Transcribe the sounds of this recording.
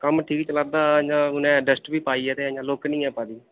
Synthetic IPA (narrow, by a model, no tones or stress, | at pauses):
kəmʈʰiːkt͡ʃəlaːd̪aːɲãːɦʊnɛ̃ːɖəsʈbiːpaːiːɛːt̪ẽɲãːloːknĩːɛːpaːd̪iː